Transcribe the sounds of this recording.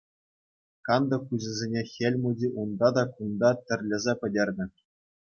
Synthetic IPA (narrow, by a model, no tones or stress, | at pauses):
kɑnd̪ɤ̆kuʑɘ̆zʲenʲexʲelʲmudʲiʔund̪ɑd̪ɑkund̪ɑt̪ʲɘ̆rʲlʲɘ̆zʲepʲɘ̆dʲerʲnʲɘ̆